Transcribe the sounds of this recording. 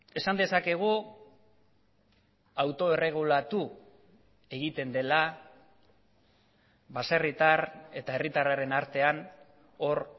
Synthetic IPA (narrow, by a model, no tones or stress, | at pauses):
e̞sand̪e̞sake̞ɣ̞u | awt̪o̞e̞re̞ɣ̞ulat̪u | e̞ɣit̪e̞nd̪e̞la | βaserit̪are̞t̪ae̞rit̪araɾe̞naɾt̪e̞an | o̞ɾ